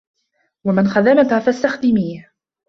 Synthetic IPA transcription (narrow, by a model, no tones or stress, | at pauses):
wamanxaðamat̪hafast̪axd̪ɪmiːh